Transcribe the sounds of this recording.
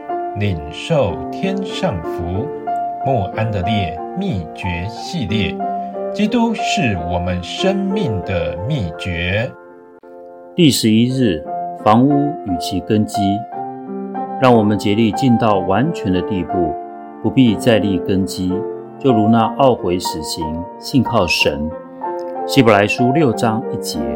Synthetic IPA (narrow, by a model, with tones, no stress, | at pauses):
li˨˩ŋ | ʂo˥˩ʊt̪ʰjɛ˥nʂɑ˥˩ŋfu˧˦˥ | mwɔ˥˩ʔa˥nd̪ə˨ljɛ˥˩ | mi˥˩t͡ɕɥɛ˧˥˦ɕi˥˧ljɛ˥˩t͡ɕi˥t̪u˥ʂɻ̩˥˩wɔ˨˩mə˦nʂə˥nmi˥˩ŋd̪ə˩mi˥˩t͡ɕɥɛ˧˥˦ | t̪i˥˩ʂɻ̩˧˦i˥ɻɻ̩˥˩fɑ˧˥ŋu˥y˨˩t͡ɕʰi˧˥kə˥nt͡ɕi˥ | ɻɑ˥˩ŋwɔ˨˩mə˨˦nt͡ɕjɛ˧˥li˥˧t͡ɕi˥˧nt̪ɑ˥˩ʊwa˧˦nt͡ɕʰɥɛ˧˥nd̪ə˧t̪i˥˧pu˥˩ | pu˧˥pi˥˧t͡sa˥˧ɪli˥˩kə˥nt͡ɕi˥ | t͡ɕjo˥˩ʊɻu˧˥na˥˧ʔɑ˥˩ʊxwe˧˥ɪʂɻ̩˨˩ɕi˧˥˦ŋ | ɕi˥˧nkʰɑ˥˩ʊʂə˧˥n | ɕi˧˥bə˨la˧˦˥ɪʂu˦ljo˥˩ʊʈ͡ʂɑ˥ŋi˥˩t͡ɕjɛ̰˧˥˦